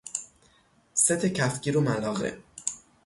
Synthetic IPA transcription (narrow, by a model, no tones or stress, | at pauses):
set̪ʰecʰæfɟʲiːɾomælɒːɣḛ